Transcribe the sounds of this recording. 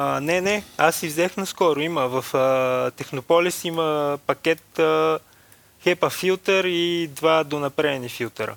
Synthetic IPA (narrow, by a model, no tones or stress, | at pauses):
nɛnɛasːivzɛxnɐskɔɾʊiməvɐfət̪ɛxnopɔlisiməpɐkʲɛt̪ə | xɛpɐfilˠt̪ɛɾid̪vad̪onɐpɾɛɛnifilˠt̪ɛɾə̰